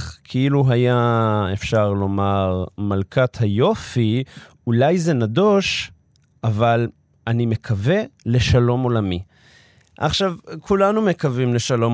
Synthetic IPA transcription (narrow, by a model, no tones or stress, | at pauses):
kʰeiluɦajaefʃaʁlo̞maʁmalkʰat̪hajo̞fi | ulajze̞nadoʃ | ʔaval | anime̞kʰave̞le̞ʃalo̞mo̞lami | ʔa̰χʃavkʰulanume̞kavimle̞ʃalo̞m